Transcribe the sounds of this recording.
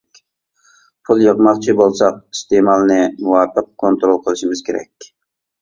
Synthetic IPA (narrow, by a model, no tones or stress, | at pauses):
pʰulˠjəʁmɑqt͡ʃʰibolˠsɑq̚i̥st̪emɑlˠnɨmuwɑːpəq̚kʰːont̪ɾolˠqʰəlˠɨʃimɨz̥kʲʰeɾɛ̰kʲ